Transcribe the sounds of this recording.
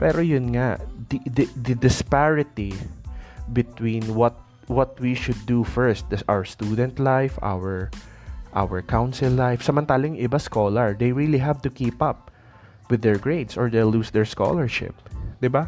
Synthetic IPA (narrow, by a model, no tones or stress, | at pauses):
pɛɾojʊnŋad̪id̪d̪ɐd̪ɪspaɹɪt̪i | bɪt̪wĩnwɔt̪̚ | wɔt̪̚wiʃʊd̪ːufɛɹst̪̚ɐsa̰wəɹst̪uːd̪ɛnt̪lajfʔa̰wɛɹʔa̰wɛɹkawnsɪlːajfsɐmɐnt̪aːlɪŋʔɪbaskoːlɐɹd̪ejɹiliɦavt̪ʊkiːpɐp̚ | wɪd̪ːɛɹɡɹejd̪sɔɹd̪ejlusd̪ɛɹsko̰lɛɹʃɪ̰p̚d̪ɪba